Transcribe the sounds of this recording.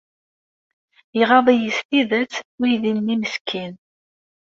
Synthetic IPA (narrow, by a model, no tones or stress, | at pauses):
jiʁɑðˤijist̪iðət͡sːujðinːiməskʰːin